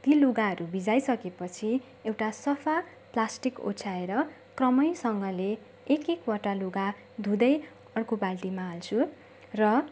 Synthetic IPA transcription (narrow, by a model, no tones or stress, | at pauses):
t̪iluɡaɦʌɾubid͡zajsʌkepʌt͡sʰi | ewʈasʌpʰa | plasʈiko̰t͡sʰaeɾʌ | krʌmʌjsʌŋɡʌleː | kekwʌʈaluɡa | d̪ʱũd̪ʌj | ʌrkobalʈimaːlt͡sʰu | rʌ